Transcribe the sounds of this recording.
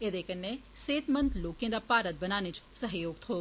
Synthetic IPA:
ed̪eːkənːe | seːt̪mə̃nt̪loːkẽːd̪aːpaːɾət̪̚bənaːnɪt͡ʃsəɦjoːɡ̚t̪ɦoː

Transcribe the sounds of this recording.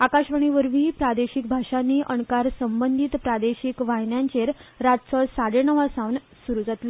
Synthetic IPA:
akaɕʋəɳ̃iʋəɾʋiːpɾad̪eɕik̚bʱaʂanːiːʔəɳkaɾsəmbənd̪ʱit̪pɾad̪eɕikʋaɦnjãɲt͡ɕeɾɾat̪t͡sɔsaɽenəʋasaʋn | suɾud͡zat̪lə

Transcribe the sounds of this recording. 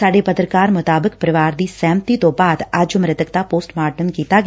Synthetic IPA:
saːɖepɐt̪ɾəkaːɾmʊt̪aːbɪkpɾəʋaːɾd̪iːsɛ̃ːmt̪it̪õbaːd̪ad͡ʒʊmɾɪt̪ək̚t̪apoːsʈmaːʈənkiːt̪aɡ

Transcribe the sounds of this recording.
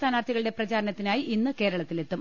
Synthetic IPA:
t̪ʰaːnaːrt̪ʰiɣɐɭɨɽe̞prɐt͡ɕaːɾɐnɐt̪ːinaːjiʔinːɨke̞ːɾɐɭɐt̪ːile̞t̪ːum

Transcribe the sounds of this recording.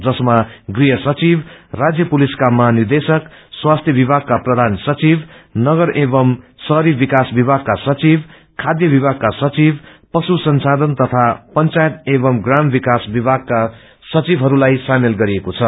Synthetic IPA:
d͡zʌsmaɡriɦʌsʌt͡sibrad͡zjʌpuliskamʌɦanird̪esʌkswast̪ʰjʌbibʱaɡ̚kaprʌd̪ʱansʌt͡sibnʌɡʌɾʔebʌmsʌɦɾibikasbibʱaɡ̚kasʌt͡sib | kʰad̪jʌbibʱaɡ̚kasʌt͡sibpʌsusʌnsad̪ʌnt̪ʌt̪ʰapʌnt͡sajet̪ebʌmɡrambikasbibʱaɡ̚ka | sʌt͡sibɦʌɾulajsamelɡʌɾiekot͡sʰʌ

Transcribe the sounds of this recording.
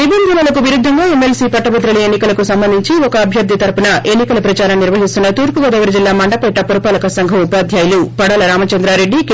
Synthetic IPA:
nibɐnd̪ʱɐnɐlɐkuʋiɾud̪ʱːɐŋɡaːemelsiːpɐʈːɐbɐt̪ɾɐɭienːikɐlɐkusɐmbɐnd̪ʱiɲt͡ʃiɔkɐːbʱjɐɾd̪ʱit̪ɐɾpunɐʔenːikɐlɐpɾɐt͡ʃaːɾɐmniɾʋɐɦist̪unːɐt̪uːɾpuɡɐd̪ɐɡɐɾɐd͡ʒilːaːmɐɳɖɐpɐʈːɐpɐɾɐpaːlɐkɐsɐŋɡʱɐupaːd̪ʱjaːjɐlupɐɽɐlɐɾaːmɐt͡ʃɐnd̪ɾaːɾe̞ɖːi

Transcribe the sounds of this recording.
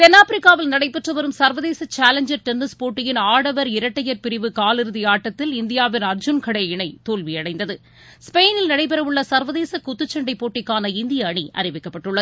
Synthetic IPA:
t̪ɛnːaːpɾɪkːaːʋɪlnɐɽɐɪpːɛʈrɐʋɐɾɯmsɐɾʋɐðeːsɐt͡ʃaːlɐɲd͡ʒɐɾʈɛnːɯspoːʈːɪjɪnaːɽɐʋɐɾɪɾɐʈːɐjɐɾpɪɾɪʋɯkaːlɪɾɯðɪjaːʈːɐt̪ːɪlɪnd̪ɪjaːʋɪnɐɾd͡ʒʊnkɐɽɐɪɳɐɪt̪oːlʋiɐɽɐɪnd̪ɐðɯ | speːnɪlnɐɽɐɪp̬ɛɾɐʋɯɭːɐsɐɾʋɐðeːsɐkʊt̪ːɯt͡ʃːɐɳɖɐɪpːoːʈːɪkːaːnɐɪnd̪ɪjɐːɳiʔɐ̰ɾɪʋɪkːɐpːɐʈːɯɭːɐð

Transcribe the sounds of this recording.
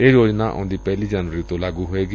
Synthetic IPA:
eːɾoːd͡ʒnaːʔõ̰ːnd̪iːpɛːliːd͡ʒənʋəɾiːt̪õːlaːɡuːɦoːeːɡi

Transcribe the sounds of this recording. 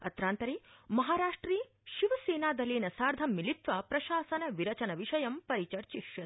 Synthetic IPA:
ɐ̰t̪ɾaːnt̪ɐɾeːmɐɦaːɾaːʂʈɾiː | ʃiʋɐseːnaːd̪ɐleːnɐsaːɾd̪ʱɐmːilit̪ʋɐpɾɐʃaːsɐnɐʋiɾɐt͡ʃɐnɐʋiʃɐjɐmpɐɾit͡ʃɐɾt͡ʃiʃjɐ

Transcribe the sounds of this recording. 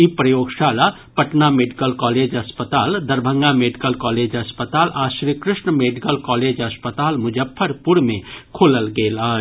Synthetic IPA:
ipɾəjoɡsala | pəʈnameɖikəlkɔled͡ʒəspət̪ald̪əɾbʱəŋɡameɖikəlkɔled͡ʒəspət̪alʔasɾikɾɪsɳəmeɖikəlkɔled͡ʒəspət̪almud͡ʒəpʰːəɾpuɽmekʰoləlɡeləɦ

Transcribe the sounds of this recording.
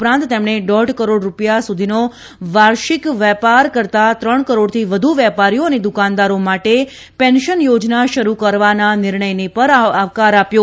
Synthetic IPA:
pɾãnt̪ːemɳ̃eɖɔʈkəɾoɽɾupjasud̪ʱino | ʋaɾʃikʋɛpaɾkəɾt̪at̪ɾəɳkəɾoɽt̪ʰiʋəd̪ʱuʋɛpaɾijoəned̪ukand̪aɾomaʈe | pɛnʃənjod͡ʒnaʃəɾukəɾʋananɪɾɳəjnepəɾaʋkaɾapjo

